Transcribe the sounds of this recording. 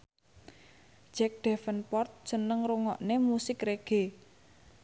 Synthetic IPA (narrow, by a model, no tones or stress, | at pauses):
d͡ʒ̥ɛk̚ɖ̪̥ɛfənpɔrt̪̚sənəŋɾuŋɔ̰ʔnemusɪkreɡ̥e